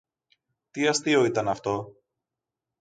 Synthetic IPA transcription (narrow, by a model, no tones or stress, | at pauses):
t̪iɐst̪ioit̪ɐnɐft̪o̞